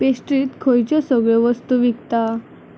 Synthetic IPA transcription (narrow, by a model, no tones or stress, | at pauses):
pesʈɾiːt̪kʰojt͡ɕɔsəɡɭɔʋəst̪uʋikt̪a